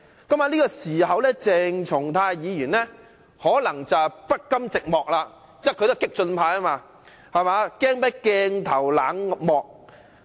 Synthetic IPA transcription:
kɐ˨˥maː˧liː˥kɔː˧siː˨˩ɦɐ˨wlɛː˥t͡sɛː˧ŋt͡sʰʊ˨˩ŋt̪ʰaː˧jjiː˨˧jyː˨˩nlɛː˥ | hɔː˨˥lɐ˨˩ŋt͡sɐ˨pɐ˥t̚kːɐ˥mt͡sɪ˨k̚mɔː˨k̚laː˧ | jɐ˥kʰɵ˧t̪o˥wkɪ˥k̚t͡ʃɵ˧npʰaː˧jaː˥maː˧ | hɐ˨maː˨˧kɛː˥ŋpɐ˨˥jkɛː˧ŋt̪ʰɐ˨˩wlaː˨˧˥ŋmɔː˨k̚

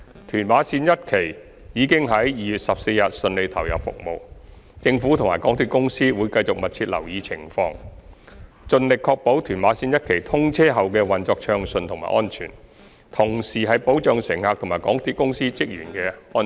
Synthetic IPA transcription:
t̪ʰyː˨˩nwaː˨˥siː˧njɐ˥t̚kʰe˨˩j | jiː˨˧kɪ˥ŋɦɐ˨˥jjiː˨jyː˨t̚sɐ˨p̚se˧jjɐ˨t̚sɵ˧nle˨˧jt̪ʰɐ˨˩wjɐ˨pfʊ̰˨k̚mo˨w | t͡sɪ˧ŋfuː˨˥t̪ʰʊ˨˩ŋmaː˨˩kɔː˨˥ŋt̪ʰyː˧t̚kʊ˥ŋsiː˥wuː˨˧jkɐ˧jt͡sʊ˨k̚mɐ˨t̚t͡sʰiː˧t̚lɐ̰˨˩wjiː˨˧t͡sʰɪ˨˩ŋfɔ̰ː˧ŋ | t͡sɵ˧nlɪ˨kʰːɔː˧k̚po˨˥wt̪ʰyː˨˩nmwaː˨˥siː˧njɐ˥t̚kʰe˨˩jt̪ʰʊ˥ŋt͡sʰɛː˥ɦɐ˨wkɛː˧wɐ˨nt͡sɔː˧k̚t͡ʃʰœː˧ŋsɵ˧nt̪ʰʊ˨˩ŋma̰ː˨˩ʔɔː˥nt͡ʃʰyː˨˩n | t̪ʰʊ˨˩ŋsiː˨˩ɦɐ˨jpo˨˥wt͡ʃœː˨˧ŋsɪ˨˩ŋhaː˨k̚t̪ʰʊ˨˩ŋmaː˨˩jkɔː˨˥ŋt̪ʰyi˨˧kʊ˥ŋsiː˥t͡sɪ˥k̚jy̰ː˨˩nkɛː˧ɔː˥

